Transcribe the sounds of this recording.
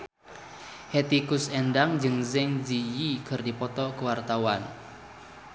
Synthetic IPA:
het̪ikʊsɛndaŋd͡ʒɨŋzɛŋd͡ʒijikɨrdipɔt̪ɔkəwart̪awan

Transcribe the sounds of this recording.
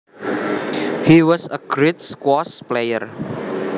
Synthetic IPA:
hiwɔsəɡ̥ɾet̚skwɔsplejə̰r

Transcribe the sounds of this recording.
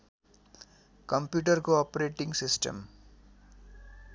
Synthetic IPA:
kʌmpjuʈʌrkoɔpɾeʈiŋɡsisʈʌ̰m

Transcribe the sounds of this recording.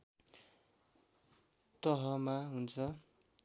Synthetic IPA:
t̪ʌɦʌmaɦunt͡sʰʌ

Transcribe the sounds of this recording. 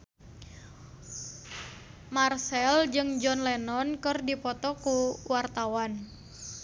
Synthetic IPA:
marsɛld͡ʒɨŋd͡ʒɔnlɛnɔnkɨrdipɔt̪ɔkuwʔart̪awan

